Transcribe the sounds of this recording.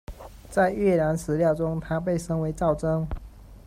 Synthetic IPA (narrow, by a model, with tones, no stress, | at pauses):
t͡sa˥˧ɪɥɛ˥˩na˧˥nsɹ̩˧˥ljɑ˥˨ʊʈ͡ʂʊ˥ŋt̪ʰa˥p̬e˥˨ɪʂɤ˥ŋwe˧˥ɪt͡sɑ˥˩ʊʈ͡ʂɤ˥ŋ